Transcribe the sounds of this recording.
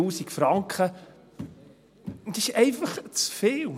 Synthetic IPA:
uːsikfɾɑŋkχə | d̪ɪʃɛɪfɑχt͡sfeːl

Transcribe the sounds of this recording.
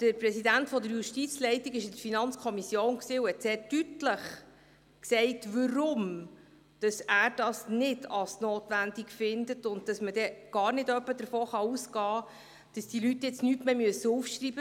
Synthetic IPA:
d̥əɾprɛsidæntfɔdəɾjuʃtit͡slɛɪtiɡɪʃɪdəɾfinɑnt͡skʰɔmisjoːnksiːuhɛtseːɾdytləχ | ksɛɪtʋəɾʊm | d̥ɑsæːɾd̥ɑsnɪdɑlsnoːtʋændikfɪndətʊnt̚d̥ɑsmədɛɡ̥ɑːɾnɪdœpːədəɾfoːχɑuːsɡɑː | d̥ɑsd̥ilytːjɪt͡snytmeːmyəsːəufʃrib̥ə

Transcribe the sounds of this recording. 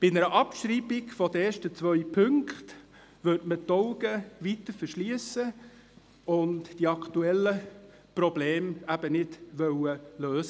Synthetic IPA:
b̥ɪnɛɾəʔɑpʃɾiːbɪkfɔdəeːʃtət͡sʋœʏpʰɵŋkt | ʋʉtmətɔʊɡəʋitəɾfəɾʃliəsə | ʊntdiɑktuɛlə | prɔbleːmæb̥ənɪtʋœwəløːsə

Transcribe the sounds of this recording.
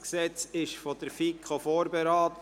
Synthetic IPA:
ksɛt͡sɪʃfɔd̥̪əɾfikʰofoːɾbɛɾɑːt̪

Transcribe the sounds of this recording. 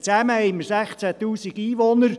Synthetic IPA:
t͡sæməhɛɪməɾsæχt͡sæt̪uːsiɡ̥iːʋonəɾ

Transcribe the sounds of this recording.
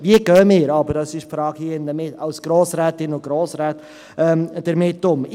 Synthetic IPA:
viəɡœːəmɪːɾɑbəɾdɑsɪʃfɾɑːɡ̥hiəɪndəmɪtɑʊsɡ̥ɾoːsɾæːt̪ɪnʊɡ̥ɾoːsɾæːt̪ | ɛmd̥əɾmɪtːʊm

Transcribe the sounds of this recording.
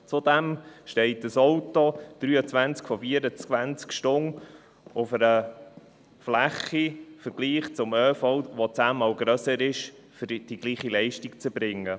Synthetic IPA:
t͡sʊd̪ɛmʃtɛɪtəsɔwtod̪̥ɾyːət͡sʋænt͡skfɔfiəɾət͡svænt͡skʃtʊn | ʊfəɾə | flæχifəɾɡ̥liːχt͡sʊmøːfɔwʋɔt͡sæːmɑwɡɾœsəɾɪʃ | fɾd̥iɡ̥liːχilɛɪʃtikt͡səb̥ɾɪŋːə

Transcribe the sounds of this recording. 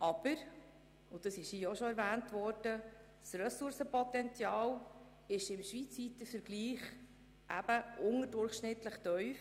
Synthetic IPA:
ʔɑb̥əɾ | ʊd̥ɑsɪʃijɔʃɔɛɾvæːntʋɔɾd̥ə | srɛsʊɾsəpɔtɛnt͡sjɑːl | ɪʃɪmʃʋit͡sʋit̪əfəɾɡliːχ | ʔæ̰b̥əʔʊŋədʊrχʃnɪtləχtœʏf

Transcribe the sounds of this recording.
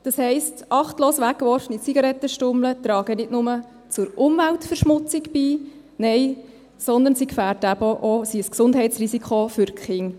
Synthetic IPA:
d̥ɑshɛɪstʔɑχtloːsʋækːʋɔɾfnit͡siɡɑɾɛt̪ːəʃtʊmlət̪ɾɑːɡ̥ənɪtnʊmə | t͡sʊɾʔʊmvæltfɛɾʃmʊt͡sɪkbiː | nɛɪ | sɔnd̪ənsikfæːɾtæbəʔosisksʊndɦɛɪt͡srisikʰχofʏɾkχɪŋ

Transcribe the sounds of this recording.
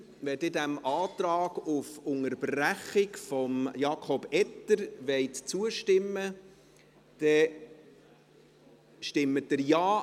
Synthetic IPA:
ʋɛdɪdæmʔɑːt̪ɾɑːɡ̥ʊfʊŋəɾbræχɪkfɔmjɑːkʰɔb̥ɛtːəɾʋɛɪtt͡suəʃtɪmːə | d̥ɛ | ʃtɪmːətdəɾjɑː

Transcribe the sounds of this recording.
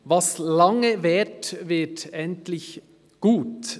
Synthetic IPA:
vɑslɑŋəvɛtvɪɐtɛntlɪç | ɡ̥uːt

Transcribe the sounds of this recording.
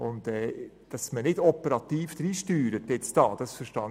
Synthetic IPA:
ʊnt̪ɛ | d̥ɑsmənɪdɔpəɾɑt̪iːfd̥̪ɾiːʃtyːɾətjɛt͡st̪ɑːd̥ɑsfəɾʃtɑːn

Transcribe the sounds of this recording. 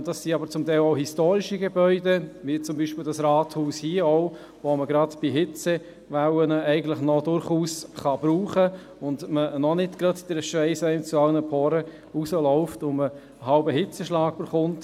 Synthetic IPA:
d̥ɑsːiɑbəɾt͡sʊmtɛɪlɔʊɦistoːɾiʃiɡebœʏdeʋit͡sʊmbiːʃpɪldɑsɾɑːthuːshiəɔʊ | ʋɔməɡɾɑdb̥iɦɪt͡se | ʋawənəɛɪɡən̩tlɪχnɔdʊɾχuːsχɑb̥ɾuːχə | ʊndmənɔnɪtɡ̥ɾɑtd̥ɛɾʃʋɛɪsɛɪnt͡suɑlnəpʰɔːɾə | usəlɔʊftʊnmə | ɦɑʊbəɦɪt͡səʃlɑːɡ̥̚b̥ɪɾχʊnt

